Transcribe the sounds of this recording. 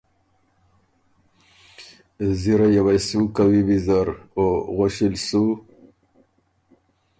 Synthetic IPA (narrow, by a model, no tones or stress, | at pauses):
ziɾajawajsukawibizaɾoɣoɕilsu